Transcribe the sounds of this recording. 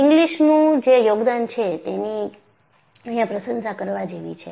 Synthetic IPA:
ɪŋɡliʃnũd͡ʒejoɡd̪ant͡ʃʰet̪eni | əɦijãpɾəsənsakəɾʋad͡ʒeʋḭt͡ʃʰe

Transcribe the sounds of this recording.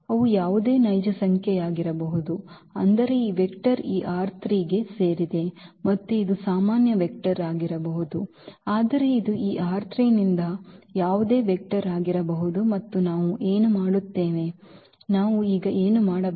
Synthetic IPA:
ɐʋujaːʋud̪e̞ːnɐjd͡ʒɐsɐŋkʰjɛjaːɡiɾɐbɐɦud̪uɐnd̪ɐɾe̞iːʋekʈɐɾiːʔaːɾt̪ʰɾiːɡe̞seːɾid̪e̞mɐt̪ːuid̪usaːmaːnjɐʋek̚ʈɐɾaːɡiɾɐbɐɦud̪u | aːd̪ɐɾe̞id̪uiːʔaːɾt̪ʰɾinind̪ɐjaːʋud̪e̞ːʋek̚ʈɐɾaːɡiɾɐbɐɦud̪umɐt̪ːunaːʋuʔe̞ːnumaːɽut̪ːe̞ːʋe̞ | naːʋuiːɡɐʔe̞ːnumaːɽɐ

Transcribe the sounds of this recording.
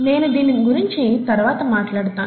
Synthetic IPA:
ne̞ːnud̪iːniniɡuɾiɲt͡ʃit̪ɐɾʋaːt̪ɐmaːʈlaːɽt̪aːn

